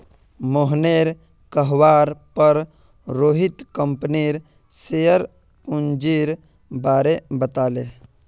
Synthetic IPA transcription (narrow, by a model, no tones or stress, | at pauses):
moɦneːɾ | kəɦʋaːɾpəɾ | ɾoːɦit̪kəmpniːɾ | sejəɾ | und͡ʒiːɾ | baːɾebət̪aːleː